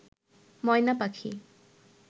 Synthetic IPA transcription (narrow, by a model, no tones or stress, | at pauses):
mɔjnapakʰḭ